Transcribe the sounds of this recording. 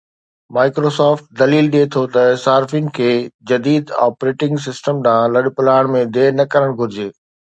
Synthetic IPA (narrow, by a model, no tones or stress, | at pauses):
maːɪkɾoːsaːfʈ̚d̪ɐliːlɗiet̪ʰot̪ɐsaːɾfinɪ̆kʰeːd͡ʑɐd̪iːd̪a̰ːpɾeːʈɪ̃ŋɡs̬ɪsʈəmɗãːlɐɗpʊlaːɪɽ̃mẽd̪eːnɐkɐɾəɽ̃ɡʱʊɾɪd͡ʑeː